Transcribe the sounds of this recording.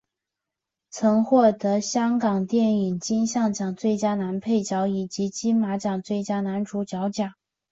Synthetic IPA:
t͡sʰɤ˧˥ŋxwɔ˥˩t̪ɤ˧˥ɕjɑ˥ŋkɑ˨˩ŋt̪jɛ˥˩ni˨˩ŋt͡ɕi˥nɕjɑ˥˩ŋt͡ɕjɑ˨˩ŋt͡swe˥˩ɪt͡ɕja˥na˧˥npʰe˥˩ɪt͡ɕjɑ˧˥ʊi˨˩t͡ɕi˧˥t͡ɕi˥nma˧˥t͡ɕjɑ˨˩ŋt͡swe˥˩ɪt͡ɕja˥na˧˥nʈ͡ʂʰu˧˥t͡ɕjɑ˧˥ʊt͡ɕjɑ˨˩˦ŋ

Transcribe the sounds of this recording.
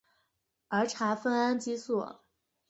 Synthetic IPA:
ə˞˧˥ʈ͡ʂʰa˧˥fə˥na˥nt͡ɕi˥swɔ˥˩

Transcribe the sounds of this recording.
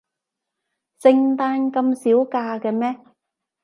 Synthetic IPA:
sɪ˧ŋt̪aː˧˥nkɐ˧msiː˨˥wkaː˧kɛː˧mɛː˥

